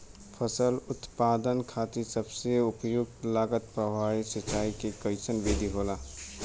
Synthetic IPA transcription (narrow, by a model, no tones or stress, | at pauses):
pʰəsəlʊt̪paːd̪ənkʰaːt̪isəbseʊpjʊɡ̚t̪laːɡət̪̚pɾəbaːisɐt͡ʃaːikekəɪsənʋeːd̪ʱiɦoːlaː